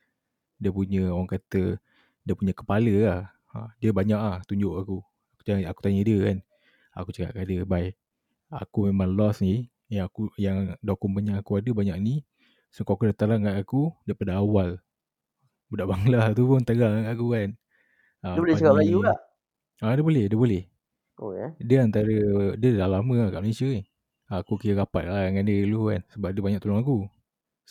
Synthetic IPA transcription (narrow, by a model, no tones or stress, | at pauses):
diəpuɲəowaŋkat̪ə | diəpuɲəkə̥paləlah | ə̰diəbaɲaʔlaht̪uɲd͡ʒoʔaku | ku̥aaku̥t̪aɲədiəkan | a̰kut͡ʃaka̰ʔkadəbaj | a̰kumemaŋlɔsni | jaŋakujaŋdokɔmbaɲaʔakuadəbaɲaʔni | səŋkaʔakudat̪alaŋkanakudapadaawal | bədaʔbaŋlat̪upʊnt̪əɡaŋaak̬ukan | aəbolɛt͡ʃəɡalajulaʔ | adəbolɛhdiəbolɛh | ʔokedəant̪aɾədəlahlaməkaʔmalesiəih | aakukəjəkapat̪̚kalaŋandəlukansəbap̚dəbaɲak̚t̪ulɔŋaku